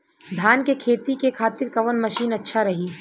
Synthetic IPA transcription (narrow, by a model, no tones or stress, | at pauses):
d̪ʱjaːnkekʰeːt̪ikekʰaːt̪ɪɾkɐʋənmɐʃiːnɐtːʃʰaɾɐɦiː